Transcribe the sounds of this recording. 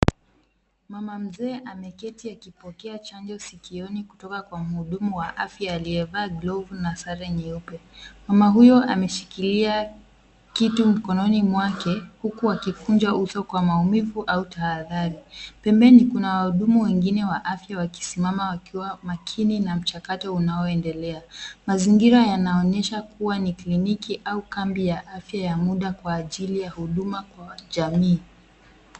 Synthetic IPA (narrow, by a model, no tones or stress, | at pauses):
mamam̩zɛːʔamɛkɛtiakipɔkɛat͡ʃand͡ʒɔsikiɔniku̥tɔkakwam̩huɗumuwaʔafjaːliɛvaːɡlɔvnasaɾɛɲiupɛmamaɦujɔʔamɛʃi̥kilia | kitum̩kɔnɔnimwakɛhukuwakivund͡ʒaʔusɔkwamaumivuʔautaːðaɾipɛmbɛnikunawahuɗumuwɛŋɡinɛwaʔafjawaki̥simamawakiwamakʰininam̩t͡ʃakatɔunaɔɛndɛlɛamaziŋɡiɾajanaɔnɛʃakuwaniklinikiʔaukambijaʔafjajamuɗakwaːʄilijahuɗumakwaʄamiː